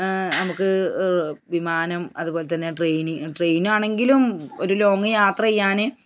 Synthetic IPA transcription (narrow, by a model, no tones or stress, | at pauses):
nɐmukːɨ | ʋimaːnɐmɐðubo̞ːle̞t̪ɐnːeʈrejniʈrejnaːɳe̞ŋɡilumo̞̰ɾulo̞ːŋːɐjaːt̪rɐjijːaːnɨ